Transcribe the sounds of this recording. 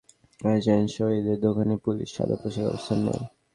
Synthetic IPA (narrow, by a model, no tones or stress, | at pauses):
ad͡ʑanʃoed̪eɾd̪okʰanepulḭʃʃa̰d̪a̰pɾoʃakɔ̰bost̪ʰanːḛj